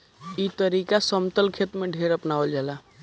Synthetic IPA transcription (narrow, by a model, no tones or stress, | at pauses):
it̪əɾikasəmt̪əlkʰet̪meɖʱeɾəpnaəld͡ʒala